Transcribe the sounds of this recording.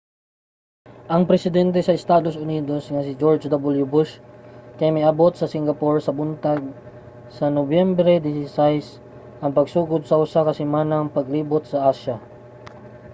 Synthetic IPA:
ʔɐŋpɾɛsɪd̪ɛnt̪̬ɛsɐʔɛst̪aːd̪o̞sʊniːd̪o̞sŋɐsɪd͡ʒoɹd͡ʒd̪abʊljʊbʊʃkɐjamɐjʔɐbo̞t̪sɐsɪŋɡɐpoɹsɐbʊnt̪aɡ̚ | sɐnobjɛmbɾɛd̪ɪsɪsajs | ʔɐŋpɐɡsuːɡod̪̚sɐʔʊsakɐsɪmaːnɐŋpɐɡliːbot̪sɐʔaːʃɐ

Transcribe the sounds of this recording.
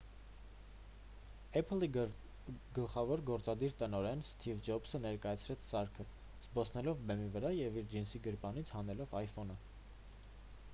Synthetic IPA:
ɛpʰəli | ɡəlχɑvɔɾɡɔɾt͡sɑd̪iɾt̪ənɔɾɛnst̪ʰivd͡ʒɔpsənɛɾkɑjɑt͡sʰɾɛt͡sʰsɑɾkʰə | z̥bɔsʰnɛlɔvbɛmivəɾɑjɛviɾd͡ʒinsiɡəɾpɑnit͡sʰhɑnɛlɔvɑjfɔnə

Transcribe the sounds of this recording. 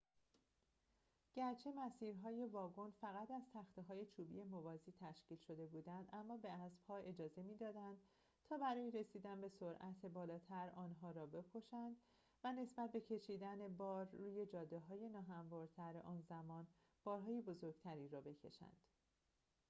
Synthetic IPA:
ɟ̥æɾt͡ʃʰe̞mæsiːɾɦɒːje̞vɒːɡo̞nfæɣæt̪ʰæz̥t̪ʰæxt̪eɦɒːje̞t͡ʃʰuːbḭje̞movɒːziːt̪ʰæʃciːlʃo̞d̪e̞buːd̪ænd̪ʔæmːɒːbe̞æsb̥hɒːʔe̞d͡ʒɒːze̞miːd̪ɒːd̪ænd̪̥ | t̪ʰɒːbæɾɒːjeɾe̞siːd̪ænbe̞soɾʔæt̪ʰebɒːlɒːt̪ʰæɾɒːnɦɒːɾɒːbe̞kʰo̞ʃænd̪̥ | væne̞sbæt̪̚be̞cʰe̞ʃiːd̪æne̞bɒːɾːuːje̞d͡ʒɒːd̪eɦɒːje̞nɒːɦæmvɒːɾt̪ʰæɾeʔɒːnzæmɒːn | b̥ɒːɾɦɒːjebo̞zo̞ɾɡ̥t̪ʰæɾiːɾɒːbe̞cʰe̞̰ʃæ̰nd̪̥

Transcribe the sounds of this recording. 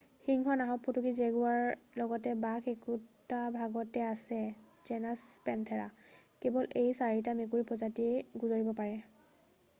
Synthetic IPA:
xiŋxɔnaɦɔpʰːutukizeɡuaɹlɔɡɔtɛbakʰekutabʱaɡɔtɛasɛ | zɛnaspɛntʰɛɹa̰kebɔlʔejsaɹit̬amekuɹipɔzatiɡuzoɹibɔpaɹɛ

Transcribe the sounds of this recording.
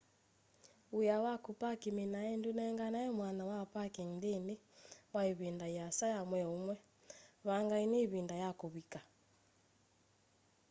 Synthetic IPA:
ujawakupakiminaɛndunɛŋɡanaɛmwanawapakindiniwaiβindaiasajamwɛumwɛ | βaŋɡainiβindajakuβika

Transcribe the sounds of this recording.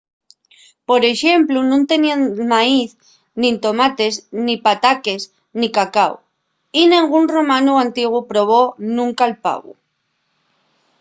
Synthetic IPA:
po̞ɾe̞ʃe̞mplunũnt̪e̞niamaiθ | nĩnt̪o̞mat̪e̞znipat̪ake̞s | nikakaw | inẽŋɡunro̞mãnuant̪iɣ̞upɾo̞β̞o̞nũŋkaelpa̰ɣṵ

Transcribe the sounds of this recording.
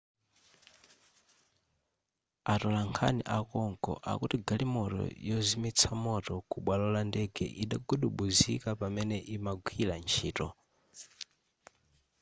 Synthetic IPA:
atɔlaŋkʰa̰nḭʔakɔŋkɔ̰ʔa̰kutiɡalimɔtɔ̰jɔzimit͡sʰamɔtɔkuɓwalɔlandɛɡɛ̰ʔiɗaɡuɗuɓuzḭkapamɛnɛʔimaɡʷwilant͡ʃʰiːtɔ

